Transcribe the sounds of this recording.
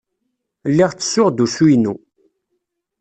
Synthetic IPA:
lːiʁt͡sːə̥sːʊʁd̪usujnu

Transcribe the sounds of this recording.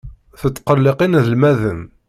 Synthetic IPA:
θət̪ːqəlːɪqinðəlmæðəm

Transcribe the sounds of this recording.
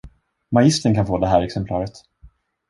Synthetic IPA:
majɪst̪əɳkʰanfoːd̪ɛɦæːɾɛksɛmpʰlɑːɾət̪

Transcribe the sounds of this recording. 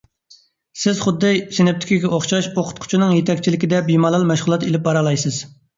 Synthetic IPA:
sɪzχʊd̪ːɨʃenɛp̚t̪ɪ̥kʲʰiɡʲɛʔoχʃɑʃoqʰʊt̪̚qʰʊ̥t͡ʃʰinɨŋjet̪ʰɛkʲt͡ʃʰilɪkʲid̪ɛbimɑlˠɑlˠmɛʃʁlˠɑt̪elɪp̚bɑɾɑlˠɑjsɨz̥

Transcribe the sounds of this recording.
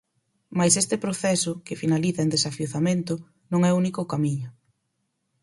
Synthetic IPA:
majsest̪ɪpɾoθɛsʊkɪfinaliθɐend̪esafjoθamẽnt̪ʊ | nõŋɛunikʊkamiɲʊ

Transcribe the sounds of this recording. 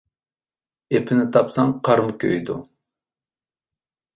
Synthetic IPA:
epʰɪnɪt̪ʰɑpsɑŋqʰɑɾmkʲʰø̰jd̪ṵ

